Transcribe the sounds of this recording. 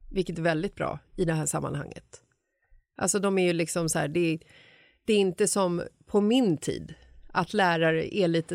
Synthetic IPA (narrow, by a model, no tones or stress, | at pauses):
vɪlkət̪æɾvɛld̪ɪt̪bɾɑ̰ːɪd̪ɛɦæːʂamːa̰nha̰ŋːə̰t̪ | ʔa̰lsɔd̪ɔmæjɵlɪksɔmsæ̰ːɖɛ | d̪̥ɛːɾɪnt̪əsɔmpʰɔmɪnt̪ʰḭːd̪ | ʔat̪læːɾaɾə̰ʔɛɭiːt̪ə